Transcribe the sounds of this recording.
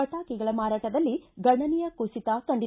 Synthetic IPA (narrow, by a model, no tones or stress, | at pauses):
ɐʈaːkiɡɐɭɐmaːɾaːʈɐd̪ɐlːiɡɐɳːɐnijɐkusit̪akɐɳɖi